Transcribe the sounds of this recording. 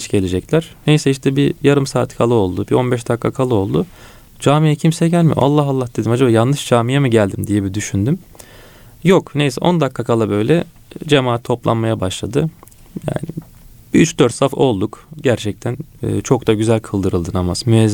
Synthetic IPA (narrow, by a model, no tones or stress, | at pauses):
t͡ʃɟe̞lʲed͡ʒɛclʲæɾ̥nejsɛiʃt̪ʰɛbijaɾɯmsaːt̪kʰalˠɯo̞lˠd̪ubiʔo̞nbɛʃd̪akʰːakʰalˠɯo̞lˠd̪ʊ | d͡ʒaːmijɛcʰimsɛɟælʲmḭʔa̰lˠːaɦalˠːahd̪̥e̞d̪imad͡ʒabaːjannɯʃd͡ʒaːmijɛmɯɟælʲd̪imd̪ijebid̪yʃynd̪ym | joknejsɛ̰ʔo̞̰nd̪akːakʰalˠabø̞jlʲɛ | d͡ʒe̞maːt̪ʰːo̞plˠa̰nmajabaʃlˠad̪ɯ | ja̰ːnɪ | byt͡ʃd̪øɾt̪safo̞lˠd̪ukɟæɾt͡ʃʰɛc̚t̪ʰænɯ̰ːt͡ʃʰo̞k̚t̪aɟyzælʲkʰɯlˠd̪ɯɾɯlˠd̪ɯnamaz̥myɛː